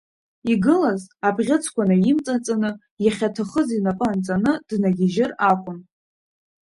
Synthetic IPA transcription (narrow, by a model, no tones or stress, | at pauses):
iɡɨlazabʁʲɪt͡sʰkʷanajimt͡sʼat͡sʼanɨ | jaχʲatʰaχəzinapʼaant͡sʼanɨd̥naɡʲɪʒɪrakʷʼʊn